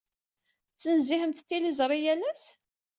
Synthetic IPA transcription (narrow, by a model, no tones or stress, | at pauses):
t͡sːənzihəmt̪t̪ːilizˤɾˤijælæs